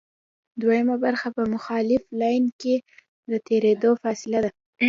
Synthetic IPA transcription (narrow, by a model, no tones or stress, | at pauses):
d̪wajəmabaɾxapəmʊxɑlɪflɑjnke | d̪ət̪eɾed̪ofɑsɪlad̪a